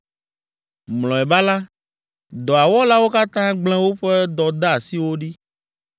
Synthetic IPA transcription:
mlɔ̃˨ɛ˨ba˦la˦ | d̪ɔ˨a˨wɔ˦la˦wo˦ka˦t̪ã˦ɡ͡bl̃ɛ̃˦wo˦ɸe˦d̪ɔ˨d̪a˦a˨si˦wo˦ɖi˦

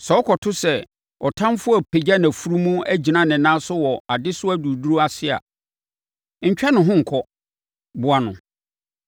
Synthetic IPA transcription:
sɛ˨ɔ˦kʰɔ˨tʰʊ˦sɛ˨ | ɔ˨tʰã˦mfʊ˦æ˨pʰe˨d͡ʑa˦nã˨fu˦ɾu˦mũ˦æ˦d͡ʑi˨nã˦nɪ̃˨nã˦sʊ˦wɔ˨a˨dɪ˦sʊ˦æ˦du˨du˦u˦a˨sɪ˦a̰˨ | ɲ̩˨t͡ɕᶣɛ˦nʊ̃˨ɦʊ̃˦ŋ̩˨kʰɔ˦ | bʊ˨a˨nʊ̃˨

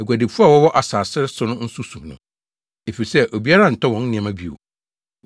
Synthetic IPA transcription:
æ˨ɡʷæ˨de˨fu˦a˦˨wɔ˦wɔ˦ʔa˨saː˨sɪ˦ɾɪ˦sʊ˦nʊ̃˦n̩˦su˦sũ˨mnʊ̃˨ | e˨fi˨ɾi˨sɛ˦ʔo˨bi˦a˦ɾã˦˨n̩˨tʰɔ˦wɔ̃˨˦n̩˦nɪ̃˨ã˨mã˦bi˨o̰˨

